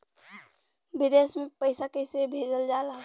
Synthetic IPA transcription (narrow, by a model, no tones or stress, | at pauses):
bid̪esmẽpəɪsakəɪsebʱeːd͡ʒəld͡ʒaːla